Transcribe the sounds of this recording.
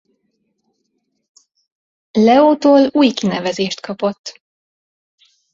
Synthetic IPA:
lɛoːt̪oːluːjkinɛvɛzeːʃt̪kʰɒpo̞t̪ː

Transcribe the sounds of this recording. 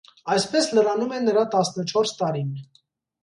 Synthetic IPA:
ɑjspɛsləɾɑnumɛnːəɾɑt̪ɑsnət͡ʃʰɔɾst̪ɑɾin

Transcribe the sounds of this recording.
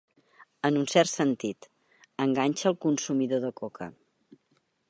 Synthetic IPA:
ənunsɛrt̪sənt̪it̪ | əŋɡaɲʲʃəːlˠkunsumiðoðəkokʰə̰

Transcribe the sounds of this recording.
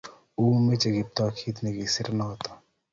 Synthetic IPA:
uːmet͡ʃɐɡip̚t̪akʰit̪nekisɪɾnaɦot̪ḁ

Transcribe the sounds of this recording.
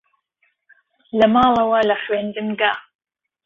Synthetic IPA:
lɐmɑːlˠɐwɐlɐχɥeːnd̪ɨmɡaː

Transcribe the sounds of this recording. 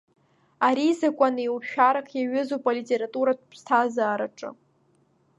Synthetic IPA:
aɾizakʷʼaniewʃᶣaɾakʼʰjaɥʊzopʼalitʼeɾatʼuɾatʼpʰstʰazaːɾaʈ͡ʂʼɨ̰

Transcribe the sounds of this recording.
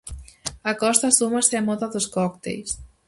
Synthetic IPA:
akɔst̪asumaseamɔðaðoskɔkt̪ḛjs

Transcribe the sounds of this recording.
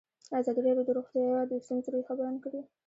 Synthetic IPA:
azɑd̪iɾɑɾjod̪oɾoɣt̪jɑjɑd̪əst̪unzɾojxabəɾanakɽi

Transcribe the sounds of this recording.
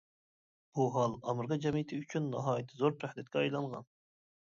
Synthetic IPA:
b̥uɦɑlˠɑməɾʁɑd͡ʒɛmit̪ʰɪyt͡ʃʰynːɑ̰ɦɑːjit̪ʰːɨzoɾpɾæhd̪ɛt̪̚kʲɛɑjlˠɑŋʁɑ̰n

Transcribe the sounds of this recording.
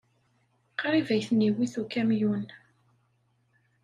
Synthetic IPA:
qɾˤivæjθniwiθukæmjun

